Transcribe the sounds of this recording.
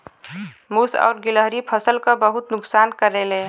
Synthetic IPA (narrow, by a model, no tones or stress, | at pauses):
musɔ̰ːɾɡiləɦɾipʰəsəlkəbəɦut̪nʊksankəɾele